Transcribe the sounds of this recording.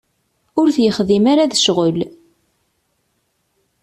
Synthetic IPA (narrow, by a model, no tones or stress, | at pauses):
ʊɾθjəχðimaɾaðəʃʁəl